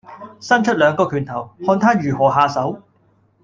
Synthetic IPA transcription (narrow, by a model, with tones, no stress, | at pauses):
sɐ˥nt͡ʃʰɵ˥t̚lœː˨˧ŋkɔː˧kʰyː˨˩nt̪ʰɐ˨˩whɔː˧nt̪ʰaː˥jyː˨˩ɦɔː˨˩ɦaː˧sɐ˨˥w